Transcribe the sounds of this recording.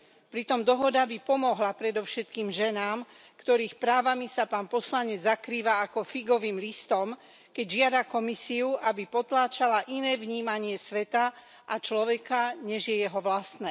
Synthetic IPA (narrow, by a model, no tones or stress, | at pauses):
pɾit̪ɔmd̪ɔɦɔd̪abipɔmɔɦlapɾɛd̪ɔʊʃɛt̪kiːmʒɛnaːm | kt̪ɔɾiːxpɾaːʋamisapaːnpɔslaɲɛd͡zzakɾiːʋaːkɔfiɡɔʋiːmlist̪ɔm | kɛɟʒɪad̪akɔmisiuʔabipɔt̪laːt͡ʃalaʔinɛːʋɲiːmaɲɪɛsʋɛt̪a | ʔat͡ʃlɔʋɛkaɲɛʒjɛjɛɦɔʋlast̪nɛː